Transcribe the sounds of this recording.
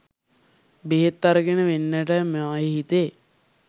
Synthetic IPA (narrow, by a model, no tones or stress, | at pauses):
beɦet̪ːaɾəɡenəʋenːəʈəmeajeɦit̪eː